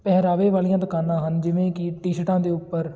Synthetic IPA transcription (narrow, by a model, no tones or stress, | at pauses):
pɛɦɾaːʋeːʋaːlijãːd̪əkaːnãːɦənd͡ʒɪʋẽːkɪʈiːʃʈãːd̪eːʊpːəɾ